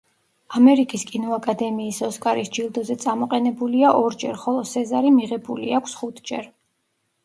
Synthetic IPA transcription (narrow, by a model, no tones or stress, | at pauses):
amɛɾikʼiskʼinɔakʼad̪ɛmiːsɔskʼaɾisd͡ʒilˠd̪ɔzɛt̪sʼamɔqʼɛnɛbuliaʔɔɾd͡ʒɛɾχɔlˠɔsɛzaɾimiʁɛbulḭakʷʰsχut̪ʰd͡ʒɛ̰ɾ